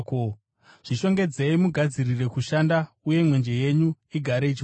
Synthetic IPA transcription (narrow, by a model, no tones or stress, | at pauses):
ko | ʐ̥iʃo̞ŋɡe̞d͡zeimuɡʱad͡zirire̞kuʃanda | uje̞mwe̞nd͡ʒe̞je̞ɲu | iɡʱaɾeit͡ʃi